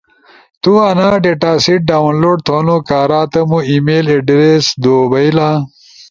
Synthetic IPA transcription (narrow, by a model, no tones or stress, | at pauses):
t̪uanaːɖeʈaːsiʈ̚ɖaːwnloːɖt̪ʰonokaːɾaːt̪ɐmuimeːleɖɾesd̪oːbɐjla